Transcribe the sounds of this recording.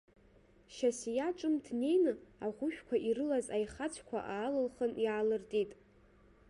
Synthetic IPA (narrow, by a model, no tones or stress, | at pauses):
ʃasijaʈ͡ʂʼɨmdʰne̞jnɨaʁʷʊʃᶣkʷʰaʔiɾɨlazajχat͡ɕʷʰkʷʰa̰ʔaːlɨlχənjaːlɨrtʼitʼ